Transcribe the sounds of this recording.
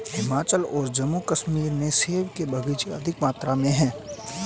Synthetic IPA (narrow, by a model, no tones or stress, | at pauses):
hɪmaːt͡ʃəlɔːɾd͡ʒɐmːukɐʃmiːɾnẽseːʋkebʱɐɡət͡ʃeɐd̪ʱɪkmaːt̪ɾamẽɦɛ̃ː